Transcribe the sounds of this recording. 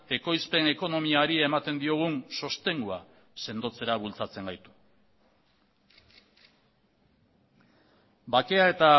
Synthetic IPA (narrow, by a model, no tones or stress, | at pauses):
e̞ko̞jspe̞ne̞ko̞no̞miaɾie̞mat̪e̞nd̪io̞ɣ̞unso̞st̪e̞ŋɡua̰ | se̞nd̪o̞t͡se̞ɾaβult͡sat͡se̞ŋɡajt̪u̥ | bake̞ae̞t̪a